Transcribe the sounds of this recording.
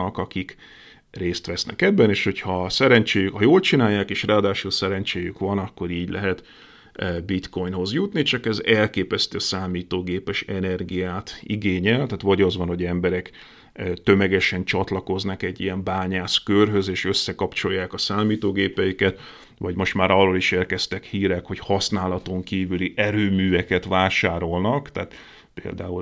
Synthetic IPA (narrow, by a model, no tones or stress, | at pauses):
ɒkɒkik | reːst̪ʋɛsnɛ̰kɛbːɛneːʃho̞chɒsɛɾɛnt͡ʃeːjykhɒjoːlt͡ʃinaːjːaːkeːʃraːd̪aːʃulsɛɾɛnt͡ʃeːjykʋɒnɒkːo̞ɾiːɟlɛ̰ɦɛt̪ː | bit̪ko̞jnɦo̞zjut̪nit͡ʃɒkɛzɛlkeːpɛst̪øːsaːmiːt̪oːɡeːpɛʃɛnɛrɡijaːt̪ḭɡeːɲɛlt̪aːt̪ʋɒɟɒzʋɒnɦo̞ɟɛmbɛɾɛkː | t̪ø̞mɛɡɛʃɛnt͡ʃɒt̪lɒko̞znɒkɛɟːijɛmbaːɲaːskørɦø̞zeːʃø̞sːɛkɒpt͡ʃo̞jːaːkɒsaːmiːt̪oːɡeːpɛjikɛt̪ | ʋɒɟmo̞ʃt̪maːɾɒrːoliʃeːrkɛst̪ɛkhiːɾɛkho̞chɒsnaːlɒt̪o̞ŋkiːvyliʔɛɾøːmyːɛkɛt̪ʋaːʃaːɾo̞lnɒkt̪aːt̪ | pḛːld̪a̰ːu